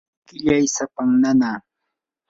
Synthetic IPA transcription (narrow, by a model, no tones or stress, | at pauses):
kɪʎajsapaŋnanaː